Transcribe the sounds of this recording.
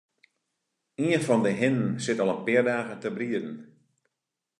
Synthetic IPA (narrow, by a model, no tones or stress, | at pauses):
iənfɔndəɦɪnən̩sɪtɔlˠənpɪərdaːɣətəbriədn̩